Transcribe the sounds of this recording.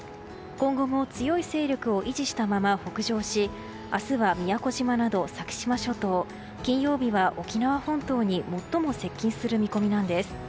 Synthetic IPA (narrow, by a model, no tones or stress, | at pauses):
kõ̞ŋɡo̞mo̞t͡sɨjo̞ise̞ːɾʲo̞kɯ̟o̞ʔiʑiɕi̥t̪amamaɸo̞kɯ̟ʑo̞ːɕi | asɨβamʲijako̞ʑimanad̪o̞sakʲi̥ɕimaɕo̞t̪o̞ː | kʲĩɰ̃jo̞ːbʲiβaʔo̞kʲinaβahõ̞nt̪o̞ːɲ̟imo̞t̪ːo̞mo̞se̞kʲːĩɰ̃sɨɾɯ̟mʲiko̞mʲinãnd̪e̞sɨ̥